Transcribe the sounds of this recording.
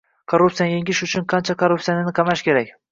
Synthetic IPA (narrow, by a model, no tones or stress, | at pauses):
kʰoɾːup̚sijajeŋʲɪʃʊt͡ʃʰʊnqʰɑnt͡ʃʰakʰoɾːuptsijanɪnɪqʰɑmaʃkʲʰe̞ɾakʲ